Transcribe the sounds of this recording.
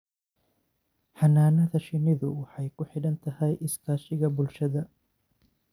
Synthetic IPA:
ħɑnaːnɐðɐʃɪnɪðʊwɑħɑjkʰʊħɪɽɐnt̪ʰɐɦɛjʔɪskʰaːʃɪɣɐbʊlʃɐðɐ

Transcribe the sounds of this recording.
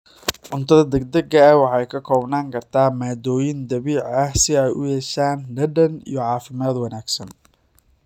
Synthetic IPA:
ʕʊnt̪ʰɐðɐd̪ɐɡ̚d̪ɐɡɐɐwɑħɑjkʰɐkʰɔːbnaːŋkʰɐrt̪ʰaːmaːd̪ɔːjɪnd̪ɐβiːʕɐhsɪɛjʔʊ̰hɛʃaːnɖɐɖɐnḭjɞʕɑːfɪmaːd̪wɐnaːɡsɐn

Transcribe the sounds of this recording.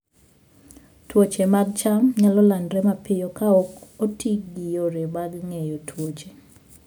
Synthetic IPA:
twot͡ʃemaɡ̚t͡ʃamɲalɔlandɾɛmapɪjokaokotʰikɡijoɾemaɡŋejotʰwot͡ʃe

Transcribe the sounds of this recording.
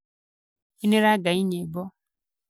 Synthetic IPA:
inĩɾaɡaɲiɲẽbɔ

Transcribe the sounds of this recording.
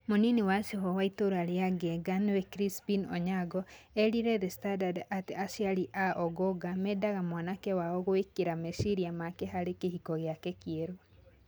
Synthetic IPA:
moniniwasehɔwaitoɾoaɾeaɡɛɡanwɛkɾispinɔ̰ɲaɡɔɛɾiɾɛðɛstandadateasiaɾiʔaʔɔɡɔɡamɛdaɣamwanakɛwaɔɣoekeɾamesiɾiamakɛɦaɾekehikɔɣeakɛkieɾo

